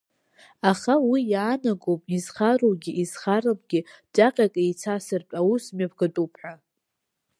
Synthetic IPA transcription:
aχawijaːnaɡowpʼizχaroɡʲiʔiz̥χaɾapʼɡ̥ʲɪd͡ʒaqʲʼakʼejt͡sʰasɨrtʼawusmʲap̚ʰɡatʼupʰħa

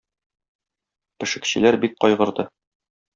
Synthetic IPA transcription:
pɘ̆ʃɘ̆kɕɘ̰̆læɾbik̚qɒjʁɤ̆ɾd̪ɤ

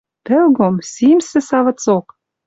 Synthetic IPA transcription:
pĕwɡomsimsɘ̆sɑvɤ̆t͡sok

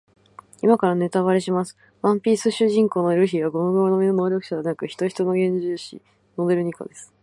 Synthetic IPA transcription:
imakaɾane̞t̪aβaɾe̞ɕimasɨ̥ | βãmpʲiːsɨɕɨʑĩŋko̞ːno̞ɾɯçiɡaɡo̞noɡoːnomʲinono̞ːɾʲjo̞kɯ̟ɕad̪enakɯ̟çi̥t̪o̞çi̥t̪o̞no̞ɡẽ̞ɲ̟d͡ʑɨːɕḭ | no̞d̪e̞ɾɯ̟ɲ̟iko̰d̪e̞sɨ̥

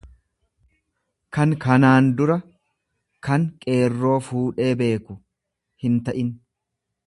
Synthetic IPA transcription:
kɐŋkɐnaːnd̪ʊɾɐ | kɐŋkʼe̞ːrːo̞ːfuːᶑe̞ːbe̞ːkʊ | hɪnt̪ɐʔɪn

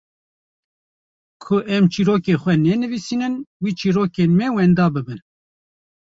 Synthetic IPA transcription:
kʰʊʔɛmt͡ʃiːɾoːkeːxwɛnɛnɨvisiːnɨnwiːt͡ʃiːɾoːkeːnmɛwɛnd̪ɑːbɨbɨn

